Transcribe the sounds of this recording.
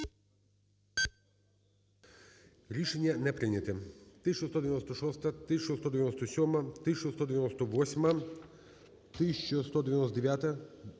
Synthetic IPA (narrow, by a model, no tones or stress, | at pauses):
ɾiʃɛɲʲanɛpɾinɛt̪ɛt̪ist͡ʃost̪ɔd̪ɛvʲɛnɔst̪aʃɔst̪at̪iʃt͡ʃost̪ɔd̪ɛvʲɛnɔst̪asʲɔmat̪it͡ʃost̪ɔd̪ɛvɛnɔst̪ɔvɔsʲma | t̪iʃt͡ʃost̪ɔd̪ɛvɛnɔst̪ad̪ɛvʲjat̪a